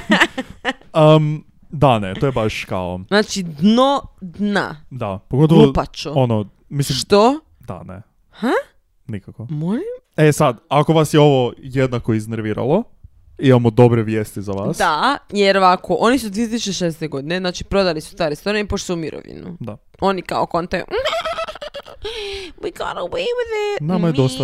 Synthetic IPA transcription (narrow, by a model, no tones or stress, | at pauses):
əm | d̪anet̪ojebaʃkaonaːt͡ʃid̪nod̪na̰d̪apoɡo̞t̪oupat͡ʃoono | misliʃmʃt̪o | d̪a̰nḛ | ha | nikakomolim | esad̪akoʋasjeo̞ʋojed̪nakoizneɾʋiːɾa̰lˠo | imamod̪o̞bɾeʋjest̪izaʋaːsd̪ajeɾoʋakʰoʔonisud̪ʋiet̪isut͡ʃeʃeseseɡod̪ineznaːt͡ʃipɾo̞d̪alisu̥st̪aːɾest̪oɾinpoʃt̪osumiɾo̰ʋḭnṵd̪a | o̞nika̰okont̪e | wiɡɑ̰nəweɪwɪðənamajed̪osa